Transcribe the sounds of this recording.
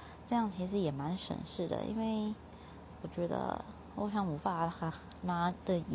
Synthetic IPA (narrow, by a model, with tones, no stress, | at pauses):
ʈ͡ʂɤ˥˧jɑ˥˩ŋt͡ɕʰi˧˥ʂ̬ɻ̩˧˥jɛ˨˩ma˧˥nʂə̰˨˩nʂɻ̩˥˩d̪ə̰˩ʔḭ˥nwe˥˩ɪ | wɔ˨˩t͡ɕɥɛ˧˥d̪ə̰˧ | o˥˧ɕjɑ˥˩ŋwu˨˩pa˥˩xa˧˥ | ma˥d̪ə˧˨